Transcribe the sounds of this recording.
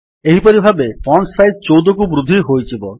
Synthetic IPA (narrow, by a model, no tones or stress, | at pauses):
eɦipɔɾibʱabepɔɳʈsajd̪̚t͡ʃowd̪ɔkubɾud̪ʱːiɦojt͡ʃʰibɔ